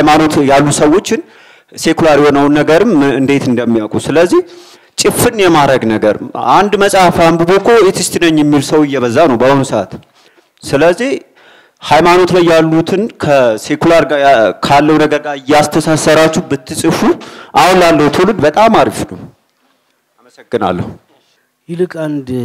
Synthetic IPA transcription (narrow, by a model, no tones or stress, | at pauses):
ajmano̞t̪jalːusəwo̞t͡ʃːɪn | se̞kulaɾjɛhonəwnːəɡəɾɨmɨnd̪e̞t̪ɨnd̪əmːijakʼusɨləzːih | t͡ʃʼɪfɨnjɛmaɾəɡnəɡəɾɨand̪məsʼahfambubokʰːoet̪ʰɨst̪ʰɨnəɲːɛmːilsəwɨjːɛβəzːanəwbəhonusəa̰t̪ | sɨləzːih | hajmano̞t̪lajːalːut̪ʰɨnkʰəse̞kulaɾɡakʰalːəwnəɡəɾɡaɾɨjːɛast̪ʰəsasəɾat͡ʃːubɨt̪ʰːɨsʼɨfuʔawunlalːəwut̪ʰɨlɨd̪bət̪ʼamaɾifnəw | aməsəɡːɨna̰lːə̰hu | jilɨkʼand̪